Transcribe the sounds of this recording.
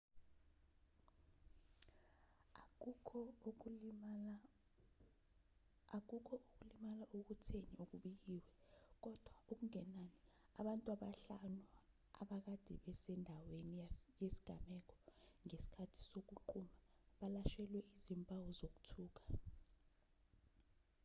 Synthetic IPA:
ak̬uk̬ʰɔʔuk̬ulimalaʔok̬utʰeniuk̬uɓik̬iːwɛk̬ɔd̥ʱwaok̬uŋɛnani | a̰ɓantʼwaɓaɬanu | a̰ɓak̬ad̥ʱḭɓɛsɛndʱawenijesi̥ɡ̥ʱamɛk̬ɔ̥ŋesi̥kʰatʰi̥sok̬uǃʰumaɓalaʃɛlwɛʔizimpʼawɔzok̬u̥tʰuːk̬ḁ

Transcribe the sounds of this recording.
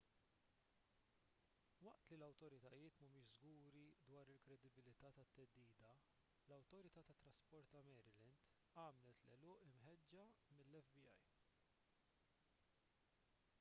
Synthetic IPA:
wɐʔt̪lilɐwt̪ɔɾɪt̪ɐjɪːt̪mɐmɪʃzɡuːɾid̪wɐːɾɪlkɾɛd̪ɪbɪlɪt̪ɐːt̪ɐt̪ːɛd̪ːiːd̪ɐ | lɐwt̪ɔɾɪt̪ɐːt̪ɐt̪ːɾɐspɔɾt̪ɐmɛːɾɪlɛnd̪ | ɐːmlɛt̪lɛlɔːʔɪmħɛd͡ʒːɐmɪlːɛfbiɐ̰j

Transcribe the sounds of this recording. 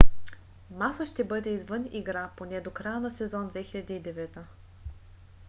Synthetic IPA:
masəʃt̪ɛbɤd̪ɛizvɤniɡɾaponɛd̪okɾajənɐsɛzɔnd̪vɛxilʲɐd̪iːd̪ɛvɛt̪ə

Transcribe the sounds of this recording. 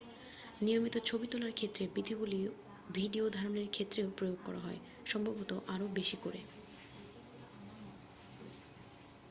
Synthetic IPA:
nijomit̪ot͡ɕʰobit̪olaɾkʰet̪ːɾebid̪ʱiɡuli | bʱiɖiod̪ʱaɾoneɾkʰet̪ːɾeopɾojoɡ̚kɔ̰ɾa̰ɦɔe | ʃɔmbʱabot̪oʔaɾobeʃikoɾe

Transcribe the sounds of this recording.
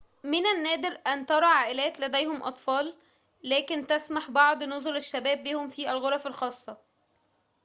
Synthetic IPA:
mɪnænːæːd̪ɪɾʔænt̪ɑɾˤɑʕaːʔelæːt̪læd̪æjhomʔɑ̰t̪ˤfɑːlː | æːkɪnt̪æsmaħbɑʕd̪ˤnozoleʃːæbæːbːiːhomfiːʔælɣoɾˤɑfælxɑːsˤːɑ

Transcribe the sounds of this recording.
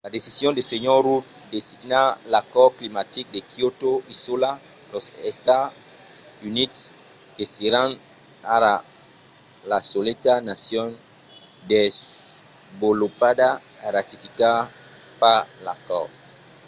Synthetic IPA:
lad̪esisjõnd̪eseɲoɾut̪̚ | d̪esiɡnalakɔklimat̪ik̚d̪ekjot̪oisula | losest̪as | units | keseɾan | aɾa | lasolet̪anasjon | d̪ez | bolopad̪a | aɾat̪ifika | palakɔ̰

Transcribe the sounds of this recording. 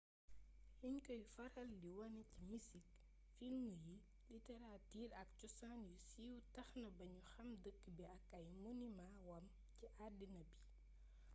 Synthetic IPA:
hiɲkɔjfɐɾɐldiwɐncimisik | filmuji | litɛɾatiːɾɐk̚cusanjusiwtɐxnɐbɐɲuxɐmdəkːbiɐkɐjmunimawɐm | ciʔadinɐbi

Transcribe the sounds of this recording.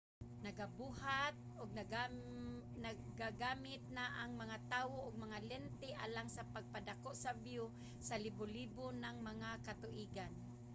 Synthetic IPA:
naɡabuːhat̪̚ʔʊɡ̚nɡ | naɡaɡaːmɪt̪̚naʔaŋmaŋat̪aːwoʔʊɡ̚maŋalɛnt̪ɪʔa̰laŋsapaɡ̚padakoʔsabjʊ | salɪbʊliːbʊnaŋmaŋakat̪ʊʔiːɡan

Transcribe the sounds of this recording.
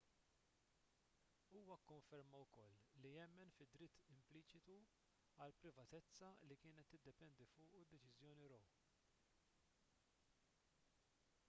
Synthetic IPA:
uːwɐkːʊɱfɛɾmɐwkɔlːijɛmːɛnfɪd̪ːɾɪt̪ʰːɪmpliːt͡ʃɪt̪u | ɐlpɾɪvɐt̪ɛt͡sːɐlikɪːnɛt̪ːɪd̪ːɛpɛnd̪ifʊːʔud̪ːɛt͡ʃɪzjɔːniɾɔw

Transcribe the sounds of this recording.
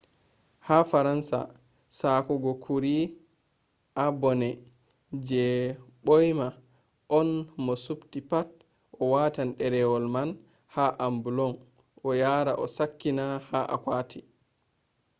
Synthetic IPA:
hafaɾansa̰ | sakɔɡɔkʰuɾi | ʔabɔnɛ | d͡ʒɛɓɔjma | ʔɔnmɔsuptipat | ʔɔwaːtanɗɛɾɛwɔlman | haʔambulɔŋ | ʔɔjaɾaʔɔsakːinahaʔa̰kwaːtʰi

